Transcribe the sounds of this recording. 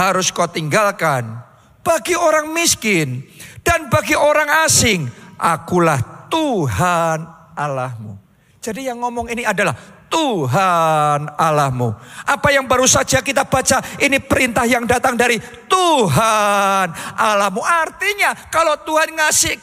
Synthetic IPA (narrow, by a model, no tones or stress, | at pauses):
haɾʊskot̪iŋɡalkan | b̥aɡioɾaŋmiskɪnd̥anbaɡioɾaŋasɪŋʔa̰kulaht̪uɦanʔalahmṵ | d͡ʒadijaŋːɔmɔŋiniadalaht̪uɦanalahmṵʔapajaŋbaɾusad͡ʒakit̪ab̥at͡ʃainipəɾint̪ahjaŋdat̪aŋdaɾit̪uɦanalahmuʔart̪iɲakalot̪uɦanŋasɪ